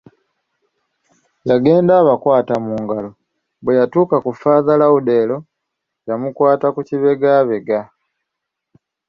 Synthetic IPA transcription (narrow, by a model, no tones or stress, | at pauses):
jaɡe̞ːndaːβakwaːtamuːŋɡalo | βwe̞jatuːkakufaːðalaude̞ːlo̞ | jamukwaːtakuciβe̞ɡaːβe̞ɡa